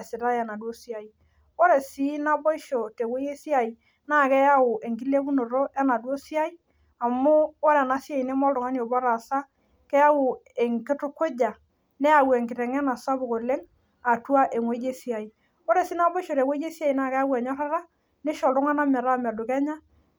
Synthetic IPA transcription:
sɪ˨ɾa˦ɛ˨na˨dwo˦si˦a˨i˨ | o˦ɾɛ˨si˦na˦bo˦i˦ʃo˨te˨wo˦je˦si˦a˨i˨ | na˦˨kɛ˦ja˦wʊ˨e˨ŋɡi˦le˦ku˦no˨ɾo˦ʔɛ˦na˨dwo˦si˦a˦i˦ | a˨mʊː˦ɾɛ˨na˨sja˨i˨nɛ˦mɔ˦ldʊ˨ŋa˦ni˨o˨bɔ˦ɾa˨sa˦ | kɛ˦ja˦wʊ˨e˨ŋkɪ˦tʊ˦kʊ˦d͡ʒa˨ | nɛ˦a˨wɛ˨ŋkɪ˨ɾɛ˨ŋɛ˦na˨sa˦bo˨ko˨le˦ŋ | a˨tu˦a˦ʔe˨ŋwo˦je˦si˦a˨i˨ | o˦ɾe˨si˦na˦bo˦i˦ʃo˨te˨kwo˦e˦si˦a˦i˨na˦˨kɛ˦ja˦wɛ˨ɲɔ˦ɾa˦ɾa˦ | ne˦ʃɔ˨ldʊ˦ŋa˦na˦mɛ˨ɾa˦˨mɛ˨dʊ˨kɛ˦ɲa˦

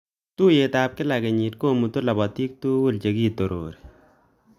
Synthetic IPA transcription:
t̪u˦je˨t̪aːp̚kɪ˦la˨ke˨ɲi˨t̚ko˦mu˨t̪u˦la˨bɔ˨t̪i˦k̚t̪u˦wu˦lt͡ʃe˨ɡiː˦t̪o˨ɾo̰ː˨ɾi

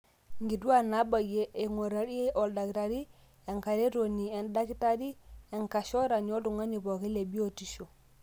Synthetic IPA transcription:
ŋɡi˨du˦wa˦na˦ba˨je˦ʔe˨ŋo˨ɾa˨ɾi˦e˦ʔo˨lda˨kta˨ɾi˦ | e˨ŋka˨ɾe˦ɾo˨ni˨e˨nda˦ki˦ta˦di˦e˨ŋka˨ʃo˦ɾa˨ɲo˦du˨ŋa˦ɲi˨po˨ki˦le˨bi˦o˨ti˨ʃo˨

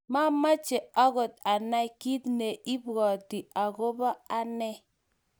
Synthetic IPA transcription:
ma˦ma˦t͡ʃe˨a˦ɣo˨t̚a˨na˦jki˦tne˨ʔi˦bɣɔ˨di˨a˨ɡo˦ba˦a˦nɛ˦

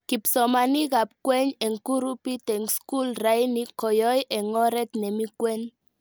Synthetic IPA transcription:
ki˨psɔ˨ma˨ni˦ɣa˨p̚kwɛ˦ɲɛ˨ŋku˦ɾu˦pi˦t̪ɛ˨ŋsku˦lra˨˦jni˦kɔ˨jɔ˦jʔɛ˨ŋɔ˦ɾɛ˦t̪nɛ˨mi˦kwɛ˦n

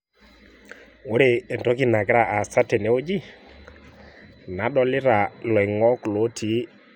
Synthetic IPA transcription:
o˦ɾe˨ntɔ˨˦kɪ˦na˨kɪ˦ɾa˨ʔa˨sa˦te˨ne˨˦o˦d͡ʒi˦ | na˨˦ɗɔ˦lɪ˦ɾa˨lɔ˨ɪ˨ŋɔ˦klo˦tʰi˨˦

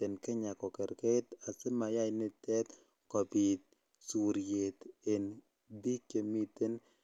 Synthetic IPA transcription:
e˨nkɪ˦ɲa˨kɔ˨ke˨ɾke˦t̪a˨sɪ˦ma˨ja˦jnɪ˦t̪ɛ˦t̪ | kɔ˨bi˨t̪̚ | su˨ɾje˨t̪e˨n | d̪i˦ke˨mi˦t̪e˦n

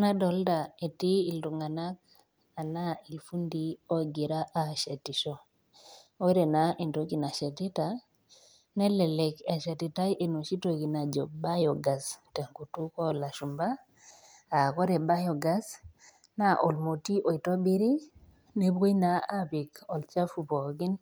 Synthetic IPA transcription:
na˦dɔ˨lda˨e˨tiː˦˨ldu˨ŋa˨na˦k̚ | a˨na˦i˨lfu˦ndi˦o˦ɡi˨ɾa˦ʔa˨ʃe˨ti˨ʃo˦ | o˦ɾe˨na˨ʔi˨nto˦ki˨na˨ʃe˨ti˦ta˨ | ne˦lɛ˨lɛ˨ke˨ʃe˨ti˨ta˦jʔe˨no˨ʃi˦to˨ki˨na˨d͡ʒo˨ba˦jo˨ɡa˨ste˨ŋku˨tu˦ko˦la˨ʃu˨mba˦ | a˨ko˦ɾɛ˨ba˦jo˨ɡa˦s | na˦ʔo˨lmo˨ti˦ʔo˨i˨to˦bi˦ɾi˦ | ne˦bɡo˦ina˨a˦pi˨kɔ˨lt͡ʃa˦fu˨po˨ɡi˦n

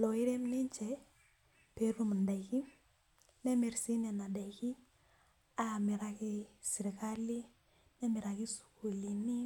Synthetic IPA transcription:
lɔ˨i˦ɾɛ˦mnɪ˦ɲt͡ʃɛ˨ | pe˨ɾu˦m˨nda˨ki˦ | nɛ˦me˨rsi˦nɛ˨na˨da˨ki˦ | a˦˨mɪ˨ɾa˨kɪ˦si˨ɾka˦li˦ | nɛ˦mɪ˨ɾa˨ki˦su̥˨ko˨li˨ni˦

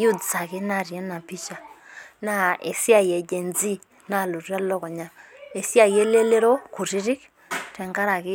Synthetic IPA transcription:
ju˦dsa˨kɪ˦na˦˨ɾjɛ˦na˨pi˦t͡ʃa˨na˦e˨si˦a˨jɛ˨d͡ʒe˨nd͡zi˦ | na˦˨lu˨ra˦lɔ˦kɔ˨ɲa˦e˨si˦a˦˨jɛ˦le˦le˦ɾɔ˦ku˨ɾi˦ɾɪ˦k | tɛ˨ŋɡa˦ɾa˨kɪ˦

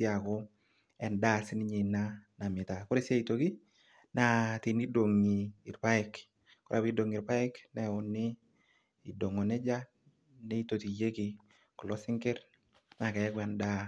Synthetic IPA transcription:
i˦a˨kɔ˦ | ɛ˨nda˦˨sɪ˦nɪ˦ɲe˨na˦na˨mɪ˨ta˨kʊ˦ɾe˦sja˦i˨to˨ki˦ | na˨ti˨ni˦do˨ŋi˨ɪ˨rpa˦ɪk | kɔ˦ɾʔa˦˨bi˦do˨ŋɪ˨ɾpa˦ɪ˦knɛ˦ʊ˨nːɪ˦ | i˨do˨ŋɔ˨nɛ˦d͡ʒa˦ | nɛ˦i˦to˨ti˨je˦kɪ˨ | kɔ˨lɔ˦sɪ˦ŋkɪ˦ɾ | na˨kɛ˨ɛ˦kwɛ˨nda˦

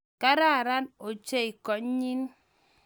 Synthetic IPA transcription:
ka˦ɾa˦˨ɾa˦no˨t͡ʃe˦i˨kɔ˨˦ɲi˦n

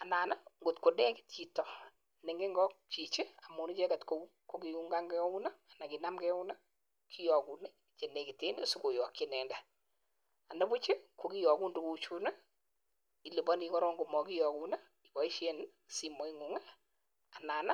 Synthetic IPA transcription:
a˨naː˨na˦ŋɡo˨tko˨dɛ˦kɪ̥˦tt͡ʃi˨tɔ˨ | nɪ˨ŋɡe˦ŋɡɔ˦k̚t͡ʃi˨t͡ʃe˦a˨mu˨ni˦t͡ʃɛ˦ka˨tko˨u˦ko˦ki˨ju˦ŋɡa˦ŋɡɛ˦u˦na˦a˨na˨ki˨na˦mɡɛ˦u˦na˦ | kʰi˦jɔ˨ku˨ne˦ | t͡ʃe˨ne˨kɪ˨te˦ne˦su˦ko˨jɔ˨kɪ˨nɛ˨ndɛ˦ | a˨na˦bu˦t͡ʃe˦kʰo˨ki˦jɔ˨ɡu˦ndu˨ku˨˦t͡ʃu˦na˦ | i˨li˨bɔ˦ni˨kɔ˦ɾɔ˦ŋɡo˨mɔ˨ki˦jɔ˨ku˦na˦ | i˨bɔ˨i˦ʃe˦n | si˨mɔ˨˦i˦ŋu˨ŋa˦ | a˨naː˨na˦

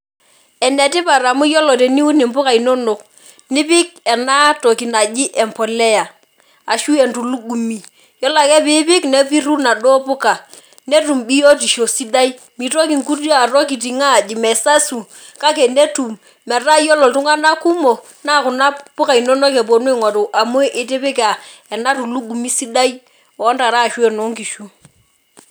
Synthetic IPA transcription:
ɛ˨nɛ˨ti˦pa˨ɾa˨mu˦jɔ˦lɔ˨tɛ˨ni˦u˦ni˨mpʊ˦ka˨i˨no˦no˨k | ni˦bɪ˦k̚ɛ˨na˦to˨ki˨na˨d͡ʒi˦ʔɛ˨mpɔ˨lɛ˦ja˨ | a˨ʃu˦e˨ntu˨lu˦ɡu˨mi˨ | jɔ˦la˨kɛ˦bi˦bɪ˦kne˦fi˦ɾu˦na˨dɔ˦pʊ˦ka˨ | ne˦tu˨mbi˦jo˦ti˨ʃo˨si˦da˦i˦ | mi˨to˦ki˨ŋku˦da˨ɾɔ˦k̬i˨ti˨ŋa˦˨d͡ʒi˨mɛ˨sa˦su˨ | ka˦kɛ˨ne˦tu˨m | mɛ˨ra˦jɔ˦lɔ˨ltu˦ŋa˦na˦ku˦mo˨ | na˦˨kʊ˨na˦pʊ˦ka˨i˨nɔ˦nɔ˦kɛ˨bo˨n˦e˦˨ŋɔ˨do˨ʔa˨mo˦ʔɪ˨tɪ˦bɪ˦ka˨ɛ˨na˦tu˨lu˦ɡu˨mi˦si˦da˦i˦ | ɔ˨˦nda˨ɾa˦˨ʃu˦ɛ˨no˨˦ŋki˨ʃu˦

